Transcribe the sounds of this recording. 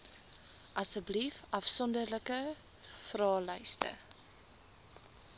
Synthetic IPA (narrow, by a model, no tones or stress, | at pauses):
ʔɐsəblifɐfsɔndərləkə | frɑːlœjstə̰